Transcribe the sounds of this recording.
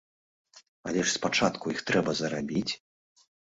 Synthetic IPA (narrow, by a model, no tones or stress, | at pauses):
a̰lʲɛʂspat͡ʂat̪kujixt̪ɾɛbɐzɐɾabʲit͡sʲ